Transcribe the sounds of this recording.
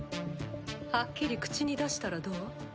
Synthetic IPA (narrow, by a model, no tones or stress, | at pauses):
hakʲːiɾʲikɯ̟̥t͡ɕiɲ̟id̪aɕi̥t̪aɾad̪o̞ː